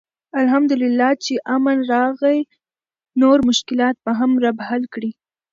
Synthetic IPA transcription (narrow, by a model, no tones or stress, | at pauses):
alɦamd̪ʊlɪlːɑt͡ʃeʔamanɾɑɣəj | noɾmʊʃkɪlɑt̪̚paɦamɾabaɦalkɽi